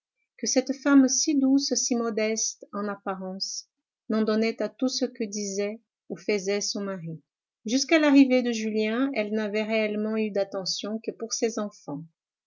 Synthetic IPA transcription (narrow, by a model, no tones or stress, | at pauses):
kəsɛt̪famsid̪ussimɔd̪ɛst̪ɑ̃napaʁɑ̃s | nɑ̃d̪ɔnɛt̪at̪usəkəd̪izɛ | ufəzɛsɔ̃maʁi | ʒyskalaʁived̪əʒyljɛ̃ɛlnavɛʁeɛlmɑ̃yd̪at̪ɑ̃sjɔ̃kəpuʁsezɑ̃fɑ̃